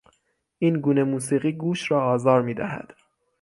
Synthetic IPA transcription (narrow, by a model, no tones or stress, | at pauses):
ʔiːnɡuːne̞muːsiːɣiːɡuːʃɾɒːɒːzɒːɾmiːd̪æ̰hæ̰d̪̥